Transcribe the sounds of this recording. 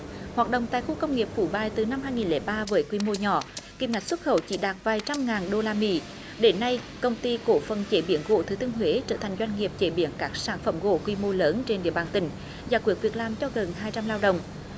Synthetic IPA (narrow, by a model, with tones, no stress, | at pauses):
hwaː˨˩t̚ɗə̰˧˨wŋ͡mt̪a̰ː˧˨jxu˧kə˧wŋ͡mŋi˨˩əp̚fu˧˩ɓaː˧˩jt̪ɨ˨˩na˧mɦaː˧jŋi˨˩nlɛ˨˦ɓaː˧vəː˨˦jkwi˧mo˧ɲɔ̰˧˩ki˧˩p̚ŋa˨˩jk̚swə˦˥t̚xə˧˩wt͡ɕḭ˧˥ɗaː˨˩t̚vaː˨˩jt͡ɕa˧mŋaː˨˩nɗo˧laː˧mḭ˧˥ | ɗe˨˦nːa˧j | kə˧wŋ͡mt̪i˧ko˧˩fə˨˩nt͡ɕe˧˩ɓi˨˧˦ənɣo̰˧˨t̪ʰɨ˨˦t̪ʰɨ˧ŋɦwe˨˦t͡ɕəː˧˩t̪ʰa˨˩ŋ̟zwa˧jŋ̟ŋi˨˩əp̚t͡ɕe˧˩˦ɓi˧˩ənkaː˦˥k̚saː˧˩nfə̰˧˩mɣo̰˧˨kwi˧mo˧ləː˨˦nt͡ɕe˧nɗḭ˧˨əɓaː˨˩nt̪ï˧˩ŋ̟ | zaː˨˩kwi˨˩ək̚vi˨˩ək̚laː˨˩mt͡ɕɔ˧ɣə˨˩nhaː˧jt͡ɕa˧mlaː˧wɗə̰˧˨wŋ͡m